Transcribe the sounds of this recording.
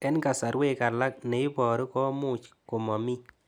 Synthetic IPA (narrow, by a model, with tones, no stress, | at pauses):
ɛ˦nka˨sa˨ɾwe˦˨ka˨ɾla˦k̚nɛ˨i˦bɔ˨ɾi˦kɔ˦mu˦t͡ʃko˨mɔ˨mi˦